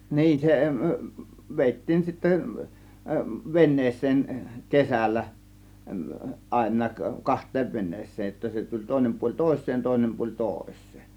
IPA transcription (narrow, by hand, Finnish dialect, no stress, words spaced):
niːn se ʋ ʋeˑitːiːn sitːæ ʋenːeːsˑeːn kesælːæ ɑˑe̝nˑɑːk kɑhtˑeːʋ ʋenˑeːsˑeːj jotːɑ se tulʲ toˑe̝nem puolʲ toˑe̝sːeːn toˑe̝nem puolʲ toˑe̝sˑe̥ː